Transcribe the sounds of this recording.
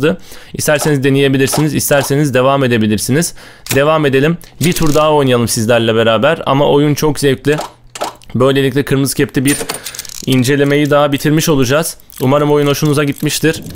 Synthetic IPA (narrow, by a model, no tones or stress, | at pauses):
d̪ɯist̪ʰæɾsenizd̪enije̞bilʲiɾsinizist̪ʰæɾse̞nizd̪e̞vame̞d̪e̞bilʲiɾsiniz̥ | d̪e̞vame̞d̪e̞lʲimbit̪ʰuɾd̪aɦao̞jnajalˠɯmsizlʲæɾlʲɛbe̞ɾaːbæɾa̰ma̰ʔo̞junt͡ʃʰo̞kzevt̪lʲi | bø̞jlʲelʲiclʲɛkʰɯɾmɯz̥cʰɛpt̪ʰʲibiɾ | ind͡ʒe̞lʲeme̞jid̪aɦabit̪ʰiɾmiʃo̞lˠud͡ʒaz̥ | umaɾɯmo̞juno̞ʃunuzaɟit̪miʃt̪ʰiɾ̥